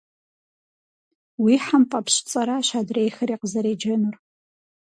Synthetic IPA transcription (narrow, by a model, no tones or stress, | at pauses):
wiħampʼapɕt͡sʼɐɾaʃʷadrejxɨriːqəzɐɾeːd͡ʒɐnur